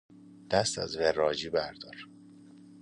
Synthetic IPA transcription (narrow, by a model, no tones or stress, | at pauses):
d̪̥æst̪æ̰zverɒːd͡ʒiːbæɾd̪̥ɒːɾ